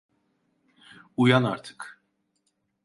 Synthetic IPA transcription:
ujɑnɑɾt̪ʰə̥kʰ

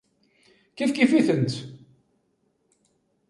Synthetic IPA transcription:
kifkifiθənt̪

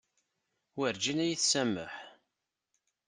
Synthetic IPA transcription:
wəɾd͡ʒinæjiθsæmːə̰ħ

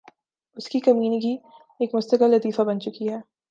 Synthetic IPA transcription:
ʊskikɐmiːniki | eːkmʊst̪əqɪlːɐt̪iːfabɐnt͡ʃʊkiɦɛː

